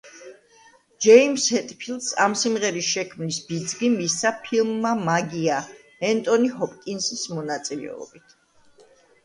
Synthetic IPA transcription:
d͡ʒɛimshɛt̪ʼpʰilˠt̪sa̰msimʁɛɾisʃɛkʰmnisbid̪zɡimisapʰilˠmːamaɡia | ɛnt̪ʼɔniɦɔpʼkʼinsismɔnat̪sʼilɛ̰ɔ̰bit̪ʰ

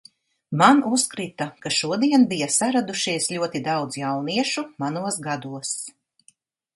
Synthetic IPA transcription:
manuskɾit̪akaʃuɔd̪iɛnbijasaɾad̪uʃiɛsʎʲuɔt̪id̪awd̪zjawniɛʃumanuɔsɡad̪uɔs

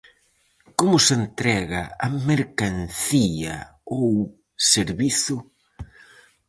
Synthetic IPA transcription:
komʊsent̪ɾɛɣɐɐmeɾkanθiɐ̰ | ow | seɾβiθʊ

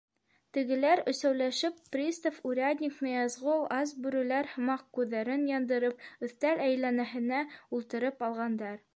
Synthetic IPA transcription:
t̪ɘ̆ɡɘ̆læɾɵ̆sæwlæʃɘpːrʲist̪ofuɾʲad̪ʲnʲɪknɤjɑzʁɤlˠɑs̬bʉɾɘ̆læɾhɤ̆mɑq̚kʉðːæɾɘnjɑnd̪ɤ̆ɾɤp̚ɵ̆θt̪ælæjlːænæɦɘ̆næulˠt̪ɤ̆ɾɤpɑlˠʁɑnd̪ɑɾ

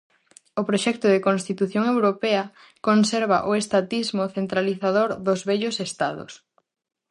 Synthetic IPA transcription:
opɾoʃɛk̚t̪ʊðɪkonst̪it̪uθjoŋewɾopɛɐ | konsɛɾβaʔoest̪at̪izmoθent̪ɾaliθaðoɾðʊzβɛʎʊsest̪aðʊ̰s

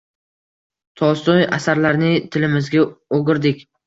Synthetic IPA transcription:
t̪ʰɒst̪ɒja̰saɾlaɾnɪt̪ʰɪlɪmɪzɡʲaoɡʲɪɾd̪ɪkʲ

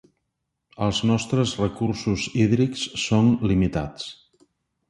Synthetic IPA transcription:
əlˠznɔst̪ɾəzrəkursuziðɾiksːonlimit̪at͡s

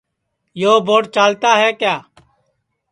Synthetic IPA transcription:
joːbʱoːʈt͡ʃaːlt̪aːɦɛːkjaː

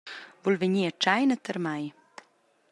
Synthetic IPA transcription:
vulveɲiːət͡ʃajnət̪əɾmaj

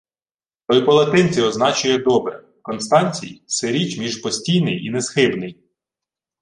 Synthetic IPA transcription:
t̪ɔjpɔlˠɐt̪ɪnʲt͡sʲiɔznɑt͡ʃʊjɛd̪ɔbɾɛ̰ | kɔnst̪ɑnʲt͡sʲḭjseɾʲit͡ʃmʲiʒpɔsʲtʲijnɪjinɛzxɪbnɪj

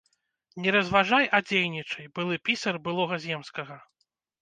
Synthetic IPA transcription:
nʲɛɾɐzvaʐajad͡zʲejnʲit͡ʂɐjbɨlˠɨpʲisɐrbɨlˠɔɣɐzʲɛmskɐɣɐ

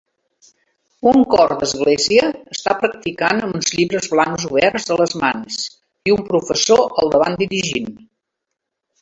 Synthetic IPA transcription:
uŋkɔrd̪əzɣ̞leziəːst̪apɾək̚t̪ikanunzʎiβɾəzβlaŋkzuβɛrzələzmans | iumpɾufəsoʔəlˠd̪əβa̰nd̪iɾiʒin

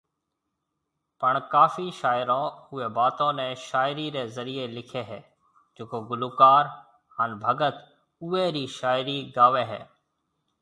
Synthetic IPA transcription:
pəɳkaːfiʃaːɪɾõːʊeːbaːt̪õːnɛ̃ːʃaːɪɾiɾeːzəɾielɪkʰeɦɛː | d͡ʒoːkoːɡʊluːkaːɾ | ɦaːnbʱəɡət̪ | ʊeːɾiːʃaːɪɾiɡaːʋeːɦɛ̰ː

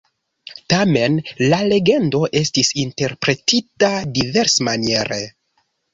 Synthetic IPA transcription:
tame̞nlale̞ɡe̞ndo̞ʔe̞stisinte̞ɾpɾe̞titadive̞ɾsmanie̞ɾe

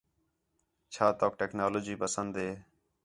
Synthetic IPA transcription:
t͡ʃʰaːt̪oːk̚ʈɛːknaːloːd͡ʒiːpəsənd̪ɦeː

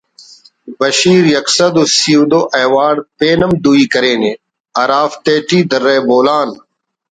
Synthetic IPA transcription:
bɐʃiːɾjɐksɐd̪usiud̪oːʔeːwaːɽpeːnɐmd̪uːiːkɐɾeːneː | ɐɾaːft̪eːʈiːd̪ɐɾːeːboːlaːn

